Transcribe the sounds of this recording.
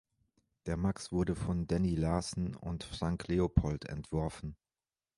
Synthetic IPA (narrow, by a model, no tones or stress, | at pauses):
d̥eːɐmaksv̥ʊɐdəfɔndɛnilaːsn̩ʊ̰ntfʁ̥aŋkʰleopʰɔltɛ̰ntv̥ɔɐfn̩